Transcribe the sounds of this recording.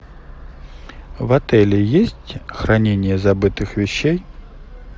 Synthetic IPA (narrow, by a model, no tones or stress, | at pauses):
vat̪ɛlʲɪjesʲtʲxɾanʲenʲɪjəzabɨt̪ɨxvʲɪɕːej